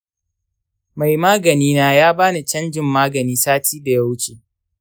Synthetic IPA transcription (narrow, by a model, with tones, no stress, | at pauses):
ma˨jmaː˦ɡɐ˨niː˦naː˦jaː˦baː˦na˨t͡ʃɐ˦nd͡ʒɪ˦mːaː˦ɡɐ˨niː˦saː˦tiː˦da˨ja˦wt͡ʃeː˨